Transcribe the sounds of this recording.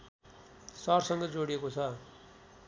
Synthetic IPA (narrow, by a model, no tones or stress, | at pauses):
sʌɾsʌŋɡʌd͡zoɽijekot͡sʰʌ